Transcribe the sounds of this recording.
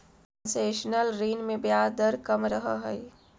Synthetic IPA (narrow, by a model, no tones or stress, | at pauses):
ənseːʃnəlɾiːnmẽbjaːd̪əɾkɐmɾɐɦaɦɛɪ